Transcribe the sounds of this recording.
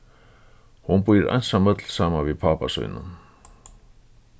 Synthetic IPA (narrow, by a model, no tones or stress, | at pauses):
hunpujɪɾʔa̰jnsamœt̪lsaːmaviðpʰaːpasœ̰ːjnʏ̰n